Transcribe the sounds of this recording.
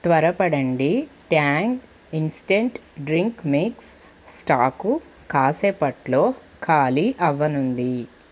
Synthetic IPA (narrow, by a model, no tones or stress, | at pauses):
t̪ʋɐɾɐpɐɽɐɳɖiʈaːŋɡ | insi̥ʈeɳʈɖɾiŋkmiksː | ʈaːku | kaːseːpɐʈloː | kʰaːliʔɐʋːɐnund̪i